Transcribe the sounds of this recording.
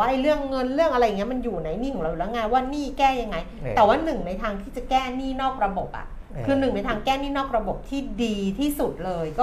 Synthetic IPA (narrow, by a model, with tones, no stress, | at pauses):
waː˥˩ʔa˧jɾɯ˥˩əŋːɤ˧nɾɯ˥˩əŋʔa˧ɾa˧jːŋ˩˦˥ma˧njuː˨˩na˧jniː˥˩kʰɔ˨˦ɾa˧ju˧˩lɛ˦˥ŋaː˧waː˥˩niː˥˩kɛː˥˩ja˧ŋːa˧jt̪ɛː˨˩waː˥˩nɯ˨˩ŋna˧jt̪ʰaː˧ŋt̪ʰiː˥˩t͡ɕa˨˩kɛː˥˩niː˥˩nɔː˥˩k̚ɾa˧bo˨˩p̚ʔa̰˨˩ʔ | kʰɯː˧nɯ˨˩ŋna˧jt̪ʰaː˧ŋkɛː˥˩niː˥˩nɔː˥˩k̚ɾa˧bo˨˩p̚t̪ʰiː˥˩diː˧t̪ʰiː˥˩su˨˩t̪̚lɤː˧jkɔː˥˩